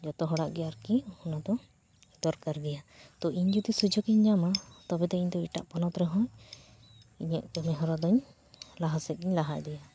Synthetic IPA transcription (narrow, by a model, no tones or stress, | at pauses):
d͡ʒɔt̪ɔɦɔɽaʔɡɛjaɾkihɔnad̪ɔ | d̪̥ɔɾkaɾɡɛjat̪ɔʔiɲd͡ʒud̪isud͡ʒɔkiɲɲamat̪ɔbɛt̪ɛiɲd̪ɔiʈaʔpɔnɔt̪ɾɛɦɔ̃j | iɲəʔkɛmɛɦɔɾad̪ɔɲ | laɦasɛt̪̚ɡiɲlaɦaʔd̪ɛja